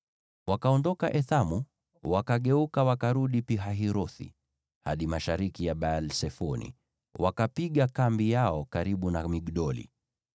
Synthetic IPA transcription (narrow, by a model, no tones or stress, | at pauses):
wakaɔndɔkaʔɛθamu | wakaɠɛukawakaɾuɗipiɦaɦiɾɔθḭ | haɗimaʃaɾikijaɓalsɛfɔnḭ | wakapiɠakambijaɔkaɾiɓunamiɡɗɔlḭ